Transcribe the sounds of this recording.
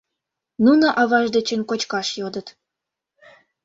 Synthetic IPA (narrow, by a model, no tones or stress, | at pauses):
nunŏʔɑβɑʒd̪et͡ɕənkot͡ɕkɑʃjod̪ət̪